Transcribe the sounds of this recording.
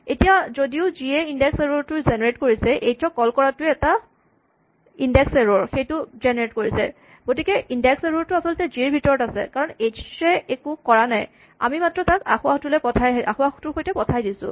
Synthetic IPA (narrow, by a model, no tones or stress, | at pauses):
etijazodiʊziɛindɛkseɹoɹtʊɹzɛneɹetkoɹisɛʔejtʰɔkɔlkɔɹatʊɛta | indɛkseɹoɹxejtʊzɛneɹetkoɹisɛ̰ | ɡ̥otikɛʔindɛkseɹoɹtʊasɔltɛzieɹbʱitɔɹɔtasɛ̰kaɹɔnejtʰɹɛɛkukɔɹanaj | a̰mimatɹɔtaka̰xʊaxtulɛpɔtʰajʔa̰xʊaxtʊɹxojtɛpɔtʰajdisʊ̰̃